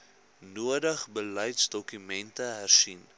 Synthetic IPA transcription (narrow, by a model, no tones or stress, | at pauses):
nuədəχbəlœjtsdɔkymɛntəɦærsin